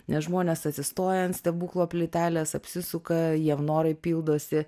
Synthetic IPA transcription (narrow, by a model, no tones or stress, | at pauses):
nʲɛsʒmoːnʲeːsɐt̪ʲsʲɪst̪oːjɛnt̪sʲt̪ʲɛbuːklˠoːpʲlʲɪt̪ʲæːlʲeːsɐpʲsʲɪsʊkɐjiɛmnoːɾɐɪpʲiːlˠd̪oːsʲɪ